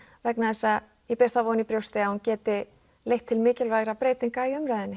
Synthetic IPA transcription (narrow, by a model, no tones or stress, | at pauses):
vɛknaðɛsːa | jɛpɛɾ̥θavɔːnipɾjowst̪ɪahuncɛːt̪ɪ | lejht̪ʰːɪlmɪːcɪlvajɣɾapɾeːjt̪iŋkaiʏmɾajðɪnːɪ